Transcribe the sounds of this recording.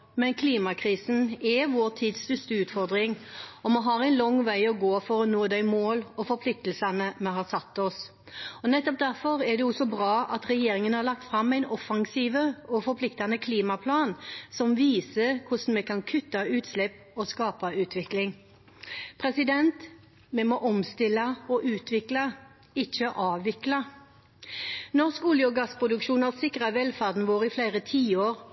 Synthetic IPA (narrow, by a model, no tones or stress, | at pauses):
mɛnkʰliːmɑkʰɾiːsn̩ɛʋoːɾt̪ʰiːd̪st̪ʉst̪əʉːt̪fɔɾd̪ɾɪŋɔmɔɦɑːɾæɪnlɔŋːʋæɪɔɡoːfɔɾɔnoːd̪æɪmoːlɔfɔɾpʰlɪk̚t̪əl̩sɑnəmɛɦɑsɑt̪ːɔs | ɔnɛt̪ːɔp̚d̪æɾfɔɾɛd̪ɛɔsːɔbɾɑːʔɑt̪ɾɛjeːɾɪŋənhɑɾlɑk̚t̪fɾɑmːæɪnɔfɑŋsiːʋəɔfɔɾpʰlɪkt̪ɑnəkʰliːmɑpʰlɑːnsɔmʋiːsəkʰʊsn̩mɛkʰɑnkʰʉt̪ːɑʉːt̪slɛpː | ɔskɑːpɑʉːt̪ʰʋɪklɪŋ | pʰʁɛsɪd̪ɛnt̪ | mɛmɔʔɔmst̪ɪlːɑɔʔʉːt̪ʋɪklɑ | ɪçːəʔɑːʋʋɪklɑ | nɔskʊljʊɡɑspʰʁʊd̪ʉkʂuːnɑsɪkʁɑʋɛlfæʁd̪n̩ʋoːɾɪflæɪʁət̪ʰiːoːɾ